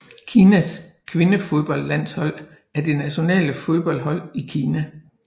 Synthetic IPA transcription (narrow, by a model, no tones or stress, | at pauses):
kʰiːnæskʰʋe̝nəfo̝ðˠb̥ɒ̽l̰d̥læn̰shɒ̽l̰ | æɐd̥e̝næɕo̝nɛ̰ːləfo̝ð̞ˠb̥ɒ̽l̰d̥ɦɒ̽l̰ikʰiːnæ